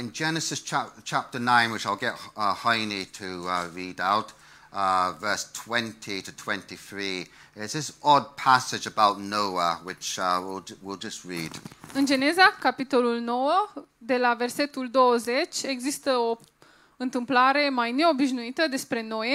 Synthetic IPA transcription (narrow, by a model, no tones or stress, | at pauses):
ɪ̃nd͡ʒɛnəsɪst͡ʃʰat͡ʃʰap̚tənãɪ̃nwɪt͡ʃaɪlˠɡɛʔʌhaɪnitʰəʌɹiːdaʊt | ʌvɜˑ˞stʰw̥ɛ̃ntʰitʰətʰw̥ɛ̃ntiθɹiː | ɪtsðɪsɔd̚pʰasɪd͡ʒəbaʊtⁿnoʊəwɪt͡ʃʌwilˠwilˠd͡ʒʌst̚ɹiːd̥ɨnd͡ʒe̞nezakapit̪o̞lulnowə | d̪e̞laverse̞t̪uld̪owəzet͡ʃʲeɡzist̪əo | ɨnt̪ɨmplaɾe̞majne̞o̞biʃnuit̪əd̪e̞spɾe̞noj